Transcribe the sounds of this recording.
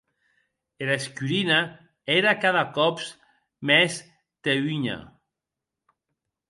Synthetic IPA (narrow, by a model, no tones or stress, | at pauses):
eɾaskyɾina | eɾakaðakɔps | mɛs | t̪eiɲa̰